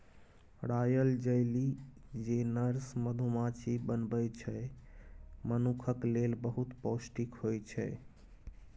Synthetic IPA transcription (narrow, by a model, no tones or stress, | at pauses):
ɾajəld͡ʒəɪlid͡ʒenəɾsməd̪ʱumat͡ʃʰibənbəjt͡ʃʰə | mənukʰəklelbəɦut̪posʈikɦojt͡ʃʰɛ̰